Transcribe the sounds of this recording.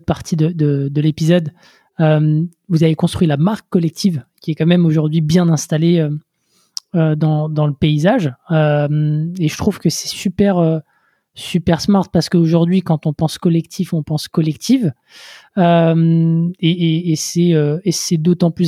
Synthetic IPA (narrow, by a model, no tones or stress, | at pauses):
paʁt̪ʰid̪əd̪əd̪əlepizɔd̪ | øm | vuzavekɔ̃st̪χɥilamaʁkːɔlɛk̚t̪ʰivkʲiɛkɑ̃mɛmoʒuʁd̪ɥibjɛ̃nɛ̃st̪aleø | ød̪ɑ̃d̪ɑ̃ləpeizaʒømeʒət̪χuv̥kəsɛ̥sypɛʁø | sypɛʁsmaʁt̪̚paʁsə̥kəoʒuʁd̪ɥikɑ̃t̪ɔ̃pɑ̃skɔlɛkt̪ʰifɔ̃pɑ̃skɔlɛkt̪ʰiv | ømeːsɛøesɛd̪ot̪ɑ̃ply